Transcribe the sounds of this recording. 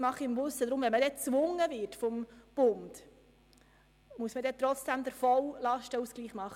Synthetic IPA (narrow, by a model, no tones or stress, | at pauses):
mɑχiɪmvʊsəd̪ɾʊmvɛnməd̥̪ɛt͡sʋʊŋːəvɪɾtfɔmb̥ʊnd̥ | muəsməd̪ɛt̪ɾɔt͡sd̥æmd̪əɾfɔwlɑʃtəusɡ̥liːχmɑχːə